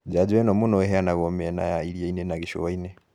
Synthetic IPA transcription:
d͡ʒad͡ʒwɛnɔmunɔɛɦɛanaɣɔmɛna̰jaiɾiainɛnaɣiʃo̰βainɛ

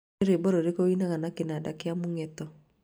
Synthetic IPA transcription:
eɾebɔɾoɾekoinaŋanakɪnadakɪamuŋɛt̪ɔ

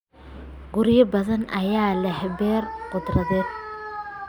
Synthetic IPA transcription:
ɡʊɾɪjɐbɐðɐnɐjaːlɛhbɛːrqʊd̪rɐðɛːd̪̚

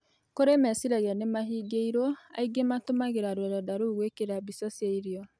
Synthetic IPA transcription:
koɾemɛsiɾaɣanemaɦiɡeiɾoa̰iɡematomaɣeɾaɾodadaɾoɣwekeɾabisɔsjeiɾiɔ

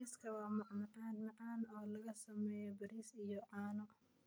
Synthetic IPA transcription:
iskʰɐwɑːmɑʕnɐʕɑːnmɑʕɑːnɔːlɐɣɐsɐmɛːjɔbɐɾiːsijɔʔɑːnɔ

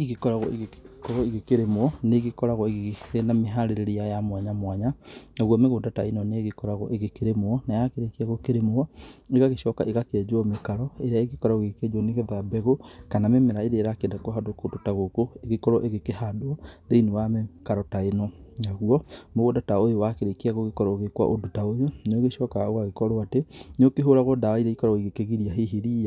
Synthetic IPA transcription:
iɣekɔɾaɣɔeɣekɔɾɔeɣekeɾemwɔneɣekɔɾaɣɔeɣeɣeenameɦaɾeɾeɾejajamwaɲamwaɲanaɣwɔmeɣodataenɔneeɣekɔɾaɣɔʔeɣekeɾemoɔnajakeɾekaɣokeɾemoɔeɣaɣeʃɔka̰ʔeɣakeɛd͡ʒoɔmekaɾɔeɾeaeɣekɔɾaɣoeɣeked͡ʒɔneɣeðabɛɣokanamemɛɾaeɾeːɾakeɛndakɔɦadokodotaɣokoeɣekɔɾɔʔeɣekehadoɔðeinewamekaɾɔtaenɔnaɣuɔmoɣodataojowakeɾekeaɣoɣekɔɾɔoɣekwa̰ʔodotaojonoɣeʃɔkaɣwaɣekɔɾɔatenokeɦoɾaɣɔdaaiɾaikɔɾɔɣiɣekeɣiɾiaɦeɦeɾia

